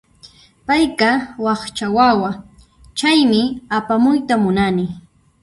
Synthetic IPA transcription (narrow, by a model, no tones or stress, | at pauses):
pajkawɑχt͡ʃawawa | t͡ʃajmɪapamʊjt̪amʊnanɪ